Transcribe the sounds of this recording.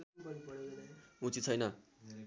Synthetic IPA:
ũt͡sit͡sʰʌjnʌ

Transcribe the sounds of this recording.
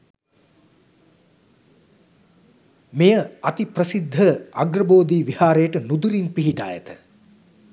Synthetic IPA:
mejəat̪iprəsid̪ʱːəaɡrəboːd̪iːʋihaːɾejəʈənud̪uɾinpiɦiʈa̰ːjə̰t̪ə

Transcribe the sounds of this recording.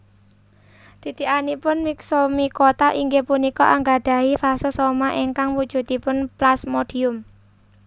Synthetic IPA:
d̪̥i̤t̪iʔanipʊnmiksomikot̪aʔiŋɡepunikɔʔaŋɡaɖ̥a̤ifasəsomaʔeŋkaŋwud̥ʒ̥ṳt̪ipʊnplasmoɖ̥iʊm

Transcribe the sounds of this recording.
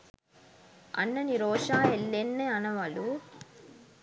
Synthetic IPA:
ɐ̰nːɐniɾoːʂaːelːenːeɐnɐʋɐlu

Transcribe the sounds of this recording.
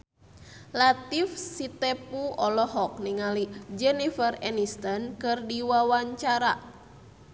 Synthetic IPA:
lat̪ifsit̪ɛpuɔlɔɦɔk̚niŋalid͡ʒɛnifərɛnist̪ɔnkɨrdiwawaɲt͡ʃaɾa

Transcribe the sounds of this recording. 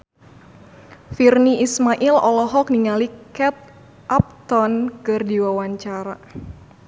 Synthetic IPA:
firniismaʔilɔ̰lɔɦɔk̚niŋalikɛp̚ | ʔap̚t̪ɔnkɨrdiwawaɲt͡ʃaɾa

